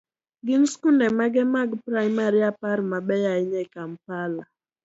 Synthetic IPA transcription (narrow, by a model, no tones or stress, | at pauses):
ɡɪnskundɛmaɡɛmaɡpɾajmaɾiapaɾmaɓɛjaiɲɛkam̩pala